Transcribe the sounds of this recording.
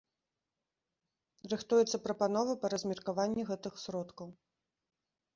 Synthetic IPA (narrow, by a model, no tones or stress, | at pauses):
rɨxt̪ujɛt̪sːɐpɾɐpan̪ɔvɐpɐɾɐzʲmʲirkavanʲːɛɣɛt̪ɨxsɾɔt̪kɐw